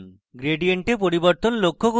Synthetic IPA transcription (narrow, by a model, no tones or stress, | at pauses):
n | ɡɾeɖijeɳʈep̬oɾibɔɾt̪ɔnlokʰːoɡu